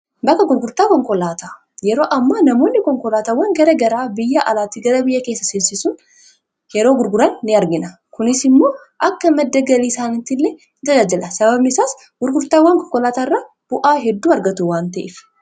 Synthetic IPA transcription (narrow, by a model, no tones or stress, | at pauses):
bɐkːɐɡʊɾɡʊɾt̪aːkɔŋkɔlaːt̪a | jɛɾo̞ːʔɐmːɐnɐmo̞ːnːɪkɔŋkɔlaːt̪aːwːɐŋɡɐɾɐɡɐɾaːbɪjːɐʔɐlaːt̪iːɡɐɾɐbɪjːɐke̞ːsːɐsɪnsɪsʊn | jɛɾoːɡʊɾɡʊɾɐnːɪɐɾɡɪnɐ | kʊnɪsɪmːo̞ː | ʔɐkːɐmɛd̪ːɐɡɐliːsaːnɪt̪ɪlːɛ | d͡ʒ̪ɐd͡ʒaːd͡ʒɪlɐsɐbɐbnɪsaːs | ɡ̥ʊɾɡʊɾt̪aːwɐŋkɔŋkɔlaːt̪aːrːaː | b̥ʊʔaːɦɛd̪ːuːɐɾɡɐt̪ʊwaːnt̪ɐʔɪf